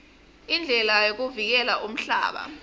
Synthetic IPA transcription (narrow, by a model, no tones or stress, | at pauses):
ind͡ɮʱɛlajok̬uvik̬ɛlaʔum̩ɬa̰ːɓa̰